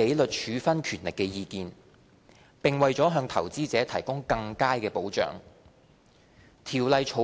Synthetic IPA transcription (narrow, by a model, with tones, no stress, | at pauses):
e˨˥jlɵ˨t̚t͡ʃʰyː˨˧fɐ˥nkʰyː˨˩nlɪ˨kːɛː˧jiː˧kiː˧n | pɪ˨ŋwɐ˨jt͡sɔː˨˥ɦœː˧ŋt̪ʰɐ̰˨˩wt͡siː˥t͡sɛː˨˥t̪ʰɐ˨˩jkʊ˥ŋkɐ˧ŋkaː˥jkɛː˧po˨˥wt͡ʃœ̰ː˨˥ŋ | t̪ʰiː˨˩wlɐ˨jt͡ʃʰo˨˧˥